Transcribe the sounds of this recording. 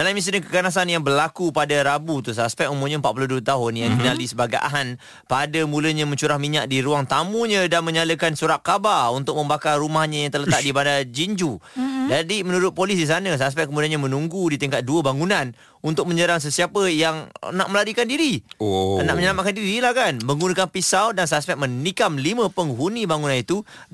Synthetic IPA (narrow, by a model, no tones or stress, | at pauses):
dalaimis̬əɲəkə̥kanas̬anjaŋbərlakupadaɾabut̪usaspɛk̚umumɲəmpat̪̚puluhduət̪aɦʊnjaŋdinalisəbaɡajʔa̰ɦan | padəmuləɲəmə̃ɲt͡ʃuɾahmiɲak̚diɾuaŋt̪amuɲə̃damə̃ɲaləkansuɾaʔ̪̚kabarunt̪ʊk̚mə̃mbakarːumahɲajaŋt̪ələt̪t̪aʔ̚dibandad͡ʒiɲd͡ʒud͡ʒadimənuɾʊt̪̚polis̬dis̬anəs̬as̬pɛʔkːəmudianɲamə̃nuŋɡudit̪iŋkat̪̚duəbaŋunãn | unt̪ʊk̚mə̃ɲəɾaŋs̬əsiapəjaŋə̰naʔ̚məlaɾikandiɾioəna̰ʔ̚məɲəlamat̪̚kandiɾilahkanməŋɡunəkanpisawdans̬aspɛk̚mənikamlimə̃pəŋɦunibaŋunanit̪u